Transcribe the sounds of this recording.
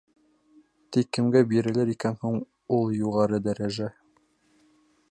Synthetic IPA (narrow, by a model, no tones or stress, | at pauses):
t̪ikːɘ̆mɡæbiɾɘ̆lɘɾikænhuɴ | ulˠjuʁɑɾɤd̪æɾæʒæ